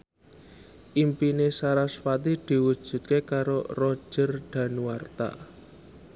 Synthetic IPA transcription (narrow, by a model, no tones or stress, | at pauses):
ʔimpinesaɾasfat̪id̪̥i̤wud̥ʒ̥ṳt̪̚kekaɾorɔd̥ʒ̥ərɖ̪̥ä̤nuwart̪a̰